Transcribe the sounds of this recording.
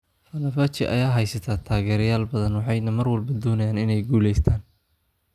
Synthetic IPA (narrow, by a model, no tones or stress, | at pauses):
fɐnɐfɐt͡ʃʰɪ̰ʔɐ̰jaːɦɛjsɐt̪ʰaːt̪ʰaːɣɛːɾjaːlbɐðɐnwɑħɑjnɐmɐrwɐlbɐd̪ɔːnɐjaːnɪnɛjɡuːlɛjst̪ʰaːn